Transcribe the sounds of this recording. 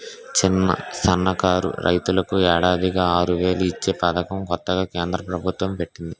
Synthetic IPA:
t͡ʃinːɐ̰sɐnːɐkaːɾṵɾʔɐ̰jt̪ulɐkuɛːɽaːd̪iɡaːaːɾuʋe̞ːluit͡ʃːe̞ːpɐd̪ɐkɐmkɔt̪ːɐɡaːkeːnd̪ɾɐpɾɐbʱut̪wɐmpe̞ʈːind̪i

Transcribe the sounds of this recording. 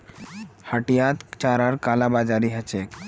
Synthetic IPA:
həʈijat̪t͡ʃaɾaɾkalabad͡ʒaɾiɦət͡ʃʰek

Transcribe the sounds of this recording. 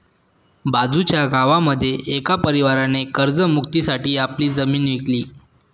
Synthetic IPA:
bad͡zut͡ɕjaɡʱaʋaməd̪ʱːjeʔekapəɾiʋaɾanekəɾd͡zəmukt̪isaʈiːapliːd͡zəmiːnʋikliː

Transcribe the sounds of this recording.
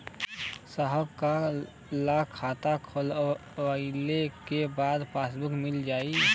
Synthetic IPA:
saɦəbka | laːkʰːaːt̪akʰolʋailekebaːd̪pʰaːsbʊkmɪld͡ʒaːi

